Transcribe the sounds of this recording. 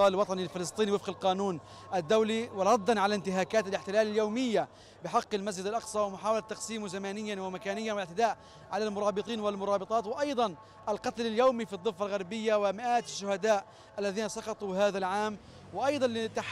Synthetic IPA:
ɑːlwɑt̪ˤɑnilfɪlɨsˤt̪ˤiːniwɪfqɪlqɑːnuːn | ʔad̪ːawliwɪɾˤɑd̪ːɑnʕalaɪnt̪ɪɦaːkaːt̪ɪlɪħt̪ɪlaːlɪljawmɪjːa | bɪħɑqːɪlmas̬d͡ʒɪd̪ɪlʔɑqsˤɑːwɪmʊħaːwalat̪ːɑqsiːmzamaːnɪjːanwɪmakaːnɪjːanwɪɪʕt̪ɪd̪aːʔ | ʕalalmʊɾˤɑːbɨt̪ˤiːnwɪlmʊɾˤɑːbɨt̪ˤɑːt̪wɪʔɑjd̪ˤɑn | ʔalqɑt̪lɪljawmifid̪ˤːɨfːalɣaɾˤbɪjːawɪmɪʔaːt̪ɪʃːʊhad̪aːʔ | ʔalːaðiːnasˤɑqɑt̪ˤuhaːðalʕaːm | wɪʔɑjd̪ˤɑnlɪt̪aħ

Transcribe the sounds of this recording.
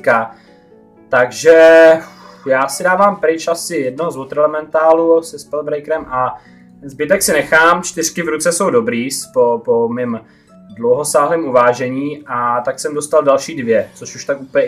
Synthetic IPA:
ka | t̪aɡʒɛ | jaːsɪdaːvaːmpɾɪt͡ʃʔasɪjɛd̚noɦozvot̪ɾɛlɛmɛnt̪aːlusɛspɛlbɾɛjkɾɛmʔa | zbɪt̪ɛksɪnɛxaːmt͡ʃt̪ɪr̝̥kɪvɾut͡sɛso̞wdo̞bɾiːspopomɪm | dlowɦo̞saːɦlɛːmʔuvaːʒɛɲiːʔat̪aksɛmdo̞st̪aldalʃiːdvjɛt͡soʃuʃt̪akʔuplɲɛ

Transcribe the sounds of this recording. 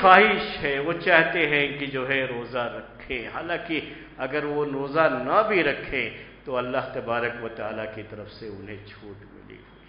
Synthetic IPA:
xaːɦɪʃɦɛʋot͡ʃaːɦt̪eɦɛ̃kid͡ʒoːɦɛɾoːzaɾɐkʰːẽhaːlãːki | ɐɡəɾʋoɾoːzanɐbʱiɾɐkʰːẽt̪oɐlːaɦt̪ɐbaːɾəkʋɐt̪aːlakit̪ɐɾəfseʊnɦẽt͡ʃʰuːʈmɪ̰lḭ

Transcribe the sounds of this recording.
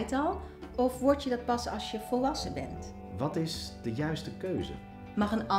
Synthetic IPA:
jtɑlˠ | ɔfʋɔɹtjədɑt̚pɑsɑ̰lˠsjəv̥ɔlˠʋɑsəbɛ̰nt | ʋɑtɪsdəjœɥstəkøɥzə̰ | mɑχənɑ

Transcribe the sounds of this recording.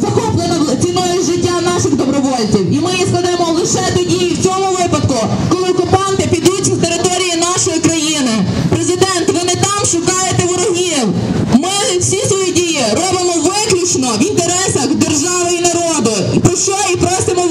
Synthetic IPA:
zɐxɔplˠenɔt͡sʲinɔjʊʒɪtʲːanɑʃɪɣd̪ɔbɾɔʋɔlʲt͡sʲiwimɪjiskˠɐd̪ɛmɔlˠɪʃɛt̪ɔdʲiiwt͡sʲɔmʊʋɪpɐd̪kʊkɔlˠɪɔkʊpɑnt̪ɪpʲid̪utʲnt̪eɾɪt̪ɔɾʲijinɑʃɔjikɾɐjinɪpɾezɪd̪ɛnt̪ʋɪnɪt̪ɑmʃʊkɑjet̪ɛʋɔɾɔɦiwmɪ | wsʲisʋɔjidʲijiɾɔbɪmɔʋɪklʲut͡ʃnɔʋint̪eɾɛsɐxd̪erʒɑʋɪjinɐɾɔd̪ʊ | ipɾɔʃt͡ʃɔipɾɔsɪmɔ

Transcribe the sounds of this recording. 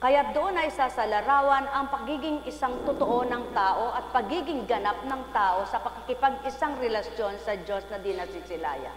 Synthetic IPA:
kɐjat̪̚d̪oʔonɐɪsasɐlɐɾaːwɐnɐŋpɐɡiːɡɪŋʔɪsaŋt̪ʊt̪oʔo̞nɐŋt̪aːʔo̞ʔɐt̪̚pɐɡiːɡɪŋɡɐnap̚nɐŋt̪aːʔo̞sɐpɐkɪkɪpaɡ̚ɪsaŋɾɛlɐsjo̞nsɐd͡ʒo̞snɐd̪ɪnɐsɪsɪla̰ːja̰

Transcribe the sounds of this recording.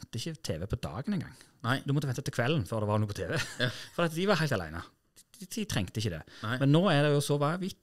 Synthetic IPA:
t̪ːəɪçət̪ʰeːʋɛpʰɔd̪ɑ̰ːɡənɛnŋɡɑ̰ŋː | d̪ʉmɔt̪əʋɛnt̪ɑt̪ɪlkʰʋɛlːn̩føːɾd̪ɛʋɑɾnuːpʰɔt̪ʰeːʋɛfɔɾd̪ɛːɑt̪d̪ɪʋɑɾhæɪt̪ɑlæ̰ɪnə̰ | ɪɪt̪ʰɾɛŋkt̪əɪçːəd̪ɛ̰mɛnːoːɛd̪ɛjʊsɔʋɑʋɪt̪ː

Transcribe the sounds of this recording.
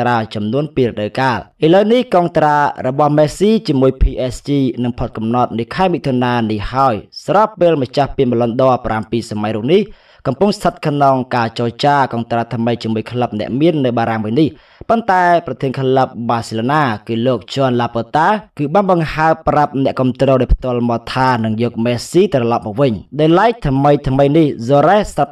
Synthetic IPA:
raːt͡ɕɑmnuənpiːɾə̆ɗəwkaːlʔələwnihkɑːŋt̪raːrɔɓɑhmɛːsiːt͡ɕiəmuəjpʰiːʔɛst͡ɕiːnɨŋpʰot̪̚kɑmnɑt̪̚nɨəkʰaɛmiʔt̪ʰoənaːnihhaəjsaɾɑpːeːlmət͡ɕahpiənɓəlonɗɔəprampiːsamajruːək̚nih | kɑmpuŋst̪ʰət̪̚kʰnoŋkaːt͡ɕɑːt͡ɕaːkɑːnt̪raːt̪ʰməjt͡ɕiəmuəjkʰləp̚nɛ̆əʔmiənːɨwɓaːɾaŋʋɨnih | pont̪aɛprɑt̪ʰiənkʰləp̚ɓaːsiloːnaːkɨːloːk̚t͡ɕoənlaːpoːt̪aːkɨːɓaːnɓɑŋhaəprap̚nɛ̆əʔkŏəmt̪rɔːɗaɔjpʰt̪ŏəlmɑːt̪ʰaːnɨŋjɔːk̚mɛːsiːt̪rɑlɑp̚mɔːʋɨɲɗaːjlaɛk̚t̪ʰməjt̪ʰməjnihzoɾɛhsap̚

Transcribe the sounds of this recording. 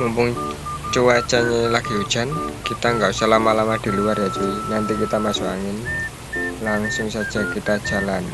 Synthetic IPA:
mumpʊŋt͡ʃuwat͡ʃaɲelaɡ̥i̤ud̥ʒ̥a̤nkit̪aŋɡaʔusalamalamad̪̥i̤luarjat͡ʃuinant̪ikit̪amasuaŋɪn | laŋsʊŋsad̥ʒ̥a̤kit̪ad̥ʒ̥a̤lan

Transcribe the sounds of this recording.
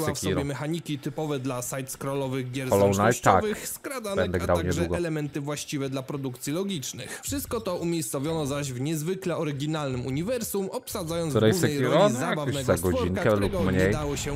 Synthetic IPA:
wafsɔɛmɛxaɲikʲit̪ɘpɔvɛd̪lasajt̪skɾɔlɔvɘɣɡʲjɛɾɔlɔwnaj̪ɔakvɘxskɾad̪anɛɛnd̪ɛɡɾawaɲɛdʐwuɡɔɛlɛmɛnt̪ɘvwaɕt͡ɕivɛd̪lapɾɔd̪ukt̪sʲjilɔɡʲit͡ʂnɘ̰xfʂɨst̪̚kɔt̪ɔumʲjejst̪savʲjɔnɔzaʑvɲɛzvɘklɛɔɾɪɡʲinalnɘmuɲivɛɾsumɔpsad̪zajɔnɾɛjsɛjɾɾɔzabavnɛɡ̪aɡɔd͡ʑiŋkɛlupɔmɲeɛjd̪awɔɕɛ

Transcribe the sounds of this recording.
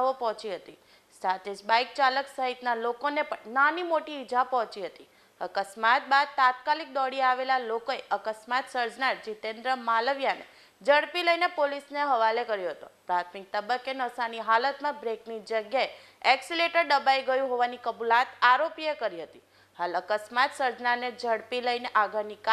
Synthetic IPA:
opɔɦɔ̃t͡ʃiɦət̪i | sat̪ʰed͡ʒbaik̚t͡ʃaləksəɦit̪nalokonepəɳnanimoʈiːd͡ʒʱapɔɦɔ̃t͡ʃiɦət̪i | əkəsmat̪̚bad̪̚t̪at̪̚kalik̚d̪ɔɽiaʋelalokoeʔəkəsmat̪səɾd͡ʒnaɾd͡ʒit̪ẽnd̪ɾəmaləʋjanḛ | d͡ʒəɽpiləinepolisneɦəʋalekəɾjoɦət̪opɾat̪ʰmik̚t̪əbəkːenəsaniɦalət̪mãbɾeknid͡ʒəɡjae | ɛksileʈəɾɖəbajɡəjũɦoʋanikəbulat̪aɾopiekəɾiɦət̪i | haləkəsmat̪səɾd͡ʒnaned͡ʒəɽpiləineʔaɡʱəɾnika

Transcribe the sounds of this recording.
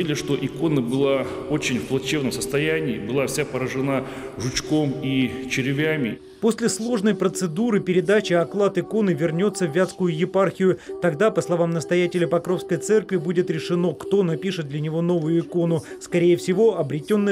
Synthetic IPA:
ilʲɪʂt̪o̞ʔɪko̞nəbɨlˠa | ot͡ɕɪnʲfplˠɐt͡ɕevnəmsəst̪ɐjænʲɪːbɨlˠafsʲapəɾəʐɨna | ʐʊt͡ɕko̞mit͡ɕɪɾʲɪvʲæmʲɪ | po̞sʲlʲɪslˠo̞ʐnəjpɾət̪sɨd̪uɾɨpʲɪɾʲɪd̪at͡ɕɪɐklˠat̪ɪko̞nɨvʲɪrnʲo̞t̪sːəvʲːat̪skʊjʊjɪparxʲɪjʊt̪ɐɡd̪apəslˠɐvamnəst̪ɐjætʲɪlʲɪpɐkɾo̞fskəjt̪sɛrkvʲɪbudʲɪt̪ɾʲɪʂɨno̞kt̪o̞nɐpʲiʂɨt̪̚d̪lʲɐnʲɪvo̞no̞vʊjʊɪko̞nʊ | skɐɾʲejəfsʲɪvo̞ʔɐbɾʲɪtʲo̞nːə

